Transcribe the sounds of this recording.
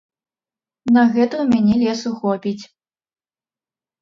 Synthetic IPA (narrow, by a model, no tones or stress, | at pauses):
nɐɣɛt̪ɐwmʲanʲɛlʲɛsuxɔpʲit͡sʲ